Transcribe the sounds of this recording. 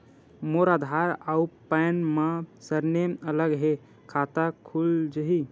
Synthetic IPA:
moɾad̪ʱaɾaupajnmãsəɾneələɡɦe | kʰat̪akʰuld͡ʒəɦi

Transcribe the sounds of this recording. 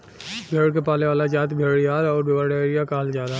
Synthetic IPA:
bʱeːɽkepaːleʋaːlad͡ʒaːt̪bʱeːɽjaːɾɔːɾbɪʋaɽeːɾijakaːld͡ʒjaːd̪a

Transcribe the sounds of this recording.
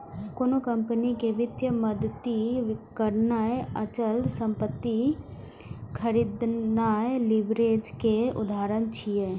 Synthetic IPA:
koːnokə̃mpənikeʋɪt̪jəməd̪t̪ːikəɾnaeət͡ʃəlsə̃mpət̪ːi | kʰəɾiːd̪naelɪbɾeːd͡ʒkeʊ̰d̪ʱaːɾənt͡ʃʰieː

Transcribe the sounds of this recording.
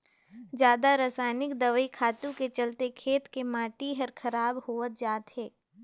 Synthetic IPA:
d͡ʒjaːd̪aɾasaːɪnɪkd̪ɐʋəikʰaːt̪ũket͡ʃɐlt̪ekʰeːt̪kemaːʈiɦɐɾkʰɐɾaːbhoːət̪̚d͡ʒaːt̪ɦɛː

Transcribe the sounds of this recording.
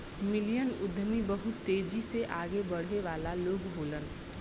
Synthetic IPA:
mɪlijənʊd̪ʱmibəɦʊt̪ːeːd͡ʒiseʔaːɡebəɽ̤eʋaːlaloːɡɦoːlən

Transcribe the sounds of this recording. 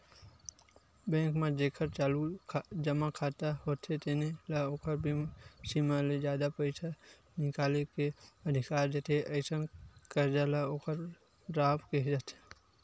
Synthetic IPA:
bɛ̃ːŋkmãd͡ʒeːkʰəɾt͡ʃaːlukʰd͡ʒəmakʰaːt̪aɦoːt̪ʰet̪enelaoːkʰəɾbʱisimaled͡ʒjaːd̪apəɪsa | nɪkaːlekeəd̪ʱɪkaːɾd͡ʒət̪ʰeʔɐɪsənkəɾd͡ʒalaoːkəɾ | ɾaːpked͡ʒat̪e̥

